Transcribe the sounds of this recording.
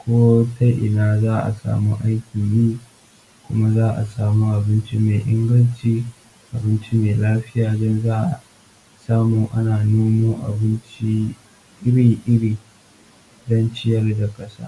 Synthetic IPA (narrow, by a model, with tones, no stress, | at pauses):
kʷoː˦tʰa˦jʔɪ˨naː˦zaː˦ʔa̰˨sa̰ː˨mu˦ʔa˦jkʲi˨niː˦ | kʷʊ˦ma˦zaː˦ʔa̰˨saː˨muː˦ʔa˨bɪ˦nt͡ʃi˦meː˨ʔɪ˦ŋɡɐ˦nt͡ʃiː˦ | ʔa˨bɪ˦nt͡ʃi˦meː˨laː˦ɸɪ˦jaː˨dɔ˦nzaː˦ʔa˨ | saː˦muː˨ʔa˦naː˨noː˦moː˦ʔa̰˨bɪ˦nt͡ʃi˦ | ʔɪ˦ɽiː˨ʔɪ˦ɽiː˨ | dɔ˦nt͡ʃɪ˦jɐ˦rda˨kʼɐ˦sa̰ː˦